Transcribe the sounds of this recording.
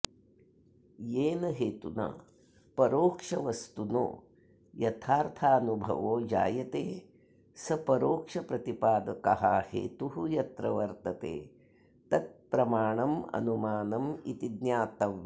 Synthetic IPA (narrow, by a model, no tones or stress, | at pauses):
jeːnɐɦeːt̪una̰ː | pɐɾoːkʂɐʋɐst̪uno̰ː | jɐt̪ʰaːɾt̪ʰaːɐnubʱɐ̰ʋoːd͡ʒa̰ːjɐt̪eː | sɐpɐɾoːkʂɐpɾɐt̪ipaːd̪ɐkɐɦahḛːt̪uɦujɐt̪ɾɐʋɐɾt̪ɐt̪ḛː | t̪ɐt̪̚pɾɐmaːɳɐmɐ̰numaːnɐmit̪id̪njaːt̪ɐʋ